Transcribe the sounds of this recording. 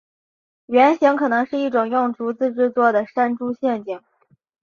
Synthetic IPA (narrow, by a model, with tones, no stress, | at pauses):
ɥɛ˧˥nɕi˧˥ŋkʰɤ˨˩nɤ˧˥ŋʂɻ̩˥˧i˥˩ʈ͡ʂʊ˨˩ŋjʊ˥˩ŋʈ͡ʂu˧˥t͡sɹ̩˥˧ʈ͡ʂɻ̩˥˧t͡swɔ˥˩d̪ə˩ʂa˥nʈ͡ʂu˥ɕjɛ˥˩nt͡ɕi˨˩˦ŋ